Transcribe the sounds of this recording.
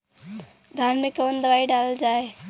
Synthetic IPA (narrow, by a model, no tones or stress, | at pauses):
d̪ʱanmekəənd̪əʋaiɖaləld͡ʒae